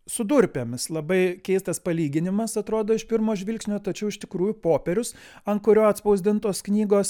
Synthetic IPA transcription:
sʊd̪uɾʲpʲeːmʲɪslˠɐbɐɪkʲɛɪst̪ɐspɐlʲiːɡʲɪnʲɪmɐsɐt̪ɾoːd̪oːɪʃpʲɪɾmoːʒʲʋʲɪlʲksʲnʲoːt̪ɐt͡ʃʲɛʊɪʃt̪ʲɪkɾuːjʊpoːpʲɛɾʲʊs | ɐnkʊɾʲoːɐt̪spɐʊzʲd̪ʲɪnt̪oːsknʲiːɡoːs

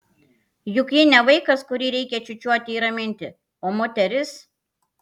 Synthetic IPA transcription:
jʊkjɪnʲɛʋɐɪkɐskʊɾʲiːɾʲɛɪkʲɛt͡ʃʲʊt͡ʃʲuɔt̪ʲɪiːɾɐmʲɪnʲt̪ʲɪ | oːmoːt̪ʲɛɾʲɪs

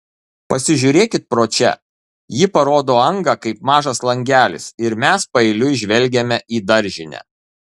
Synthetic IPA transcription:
pɐsʲɪʒʲʊːɾʲeːkʲɪt̪̚pɾoːt͡ʃʲɛ̰ | jɪpɐɾoːd̪oːɐŋɡɐkɐɪp̚mɑːʒɐslˠɐŋʲɡʲæːlʲɪ̰sɪɾmʲæspɐɛɪlʲʊɪʒʲʋʲɛlʲɡʲemʲɛʔiːd̪ɐɾʲʒʲɪnʲæ̰

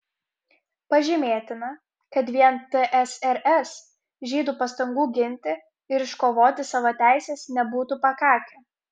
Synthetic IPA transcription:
pɐʒʲɪmʲeːt̪ʲɪnɐ | kɐt̪ʋʲiɛnt̪əʔɛsɛɾʔɛs | ʒʲiːd̪uːpɐst̪ɐŋɡuːɡʲɪnʲt̪ʲɪ | ɪɾɪʃkoːʋoːt̪ʲɪsɑːʋoːt̪ʲæˑɪsʲeːsnʲɛbuːt̪upɐkɑːkʲɛ

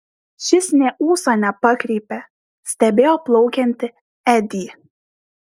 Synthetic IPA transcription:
ʃʲɪsʲnʲɛʔuːsonʲɛpɑkɾʲiːpʲɛ | sʲt̪ʲɛbʲeːjoːplˠɒʊkʲɛnʲt̪ʲɪ | ɛd̪ʲiː

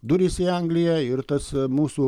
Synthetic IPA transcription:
d̪uɾʲisiaŋɡlʲijɛɪɾt̪ɐsmuːsu

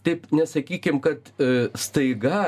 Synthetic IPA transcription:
t̪ɐɪpnʲɛsɐkʲiːkʲɪmkɐt̪st̪ɐɪɡɐ

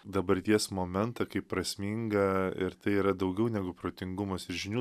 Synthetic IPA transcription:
d̪ɐbɐɾʲt̪ʲiɛsmoːmʲɛnt̪ɐkɐɪppːɾɐsʲmʲiːŋɡɐɪ̰ɾt̪ɐɪiːɾɐd̪ɐʊɡʲɛʊnʲæɡʊpɾoːt̪ʲɪŋɡʊmɐsɪɾʒʲɪnʲuː

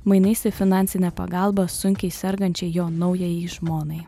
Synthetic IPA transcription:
mɐɪnʲɐɪsʲɪfʲɪnɑˑnʲtsʲɪnʲɛpɐ̰ɡɑˑlˠbɐsʊŋʲkʲɛɪsʲɛɾɡɐnʲt͡ʃʲɛɪjoːnɐʊjɛjiʒmoːnɐɪ

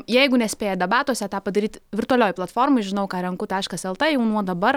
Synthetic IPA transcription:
jɛɪɡʊnʲɛsʲpʲeːjɛd̪ʲɛbɑːt̪uɔsʲɛt̪ɑːpɐd̪ɐɾʲiːt̪ʲʋʲɪrt̪ʊɐlʲoːjplˠɐt̪foːrmʊɪʒʲɪnɐʊkɑːɾʲɛŋkʊt̪ɐɪɐɪʃkɐsɛlˠt̪ɐjɛʊnuɔd̪ɐbɐr

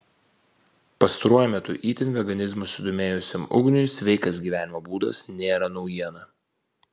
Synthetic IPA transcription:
pɐst̪ɐɾuɔjʊmʲɛt̪ʊʔiːt̪ʲɪnʋʲɛɡɐnʲɪzmʊsʲʊd̪oːmʲeːjʊsʲɛmʊ̰ɡnʲʊjsʲʋʲɛɪkɐs̬ɡʲiːʋʲæːnʲɪmoːbuːd̪ɐ̰snʲeːɾɐnɔʊjiɛnɐ

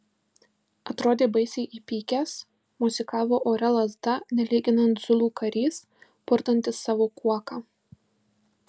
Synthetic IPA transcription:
ɐt̪ɾoːd̪ʲeːbɐɪsʲɛɪʔiːpʲiːkʲɛs | mʊzʲɪkɑːʋoːʔoːɾʲɛlˠɐzd̪ɐnʲɛlʲiːɡʲɪnɐnt̪z̥ʊlˠuːkɐɾʲiːs | pʊɾt̪ɐnʲt̪ʲɪsːɑːʋoːkuɔkɑː

